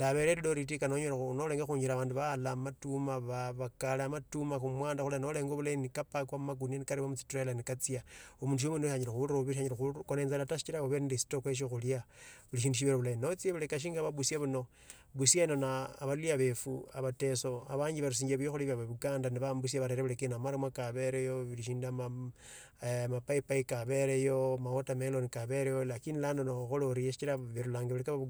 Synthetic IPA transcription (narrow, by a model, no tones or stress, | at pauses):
ndaβe̞ɾeloɾitikanoɲoɾaunoleːŋɡaxuːɲd͡ʒiɾaβaːnduβalamatumaβaβakaleamatumaxumwaːndaxulano̞le̞ːŋɡoβulainikapakwamumaɡunanikaɾiβamut͡sitralanikat͡sijaomuːnduʃominoʃaɲilexuoβiʃaɲiɾexukoneːnzalatasi̥t͡ʃiɾaoβendisi̥toxweʃ̬ixuliaβuliʃ̬iːnduʃ̬iβeɾoβulainot͡sieβulekaʃ̬iːŋɡaβaβusjaβuno̞ | βusjainonaːβaliaβefuaβateso̞aβaːɲɟiβaɾus̬iːɲɟeβujoxoliβaβaβuɡaːndaniβambus̬iaβaɾeɾeβulekenamaɾamwakaβeɾejoβiliʃiːndama | mapaipaikaβe̞ɾejomaotamelonikaβeɾejolakinilandonouxoloɾijeʃi̥t͡ʃiɾaβeɾulaːŋɡeβulekaβa